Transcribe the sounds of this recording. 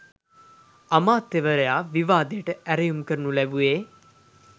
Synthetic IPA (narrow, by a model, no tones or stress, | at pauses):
amaːt̪ːeʋəɾejaːʋiʋaːd̪eʈəʔæɾejumkəɾnulæbuʋeː